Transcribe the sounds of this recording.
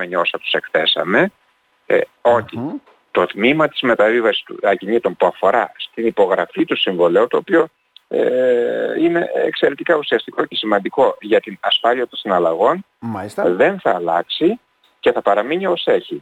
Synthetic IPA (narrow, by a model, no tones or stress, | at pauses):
eɲio̞sɐt̪u̥se̞kθe̞sɐ̰me̞ | o̞çi | t̪o̞t̪mimɐt̪izme̞t̪ɐvivɐsi̥st̪uɐcinit̪o̞mpuɐfo̞ɾɐst̪inipo̞ɣɾɐfit̪usiɱvo̞le̞owt̪o̞ːpio̞ | e | ine̞ekse̞ɾe̞t̪ikɐusiɐst̪iko̞ce̞simɐnd̪iko̞ʝɐt̪inɐsfɐliɐt̪onsinɐlɐɣo̞n | sðe̞nθɐːlɐksi | ce̞θɐpɐɾɐmiɲio̞se̞çi